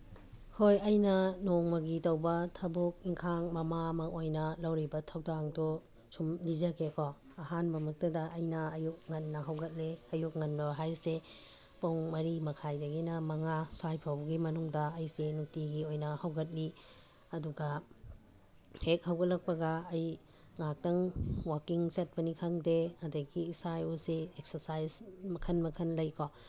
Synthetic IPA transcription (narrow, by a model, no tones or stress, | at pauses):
hojɐjnɐnoŋmɐɡitɐwbɐtʰɐbuk̚iŋkʰaŋmɐmamɐʔojnɐlɐwɾibɐtʰɐwdaŋdɔ | sumlizɐkʰekɔ | ɐɦanbɐmɐk̚tɐdɐʔːjnɐɐjuk̚ŋɐnːɐɦɐwɡɐt̚leɐjuk̚ŋɐnbɐɦajse | poŋmɐɾimɐkʰajdɐɡinɐmɐŋasuajpʰawbɐɡimɐnuŋdɐɐjsenuk̚tiɡiojnɐhɐwɡɐt̚li | ɐduɡɐ | hek̚hɐwɡɐtlɐk̚pɐɡɐːj | ŋak̚tɐŋwakiŋt͡ʃɐt̚pɐnikʰaŋdeɐdɐɡiːsauseek̚sɐɾsajzmɐkʰɐnmɐkʰɐnlɐjkʰɔ